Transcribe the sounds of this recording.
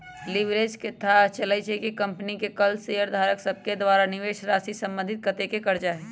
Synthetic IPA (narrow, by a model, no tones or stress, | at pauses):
liʋɾeːd͡ʒket̪ʰat͡ʃəlait͡ʃekekɐ̃mpnikekəlsejəɾd̪ʱaːɾəksəb̚ked̪ʋaːɾanɪʋeːʃɾaːsisɐ̃mbə̃nd̪ʱɪt̪̚kət̪ekekɐɾd͡ʒaɦɛː